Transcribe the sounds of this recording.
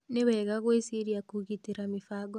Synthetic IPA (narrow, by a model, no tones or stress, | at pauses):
neβɛɣaɣwesiɾiakuɣitiɾamifaɡɔ